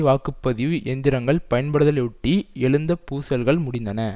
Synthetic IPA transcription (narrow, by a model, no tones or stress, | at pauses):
ʋaːkɯpːɐðɪjɯʔɛnd̪ɪɾɐŋɡɐɭpɐjɐnpɐɽɯðɐlɐɪʊʈːiɛɭɯnd̪ɐpuːsɐlɣɐɭmʊɽɪnd̪ɐnɐ